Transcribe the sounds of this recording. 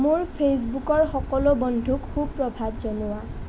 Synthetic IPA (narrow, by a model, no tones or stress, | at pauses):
mʊɹpʰes̬bukɔɹxɔkɔlʊbɔndʱukxubpɹɔbʱabzɔnʊwa